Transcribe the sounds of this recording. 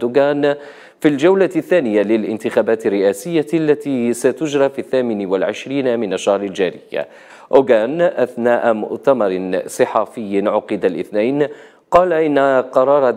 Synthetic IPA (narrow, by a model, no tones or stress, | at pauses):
d̪ʊɡaːn | fild͡ʒawlaθːaːnɪjalɪlʔɪnt̪ɪxaːbaːt̪ɪrːɪʔaːsɪjːalːat̪iːsat̪ʊd͡ʒɾˤɑfiːθːaːmɪnwalʕɪʃɾiːnamɪnaʃːahɾɪld͡ʒaːɾɪjːa̰ | ʔʊɡaːnʔaθnaːʔamʊ̰ʔt̪amɑɾˤsˤɨħɑːfɪjːnʕʊqɨd̪alʔɪ̰θnajn | qɑːlaʔɪnːaqɑɾˤɑːɾˤ